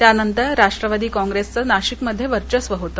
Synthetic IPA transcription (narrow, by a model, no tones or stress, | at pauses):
t̪janənt̪əɾːaʂʈɾəʋad̪iːkɔ̃ŋɡɾest͡sənaɕikməd̪ʱːjeʋəɾt͡ɕəsʋəɦot̪ə